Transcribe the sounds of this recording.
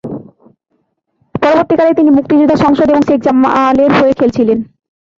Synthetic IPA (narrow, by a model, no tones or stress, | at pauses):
pɔɾoboɾt̪ikalet̪inimuk̚t̪id͡ʑud̪ʱːaʃɔŋʃod̪eboŋʃek̚d͡ʑamaleɾɦoekʰelt͡ɕʰilen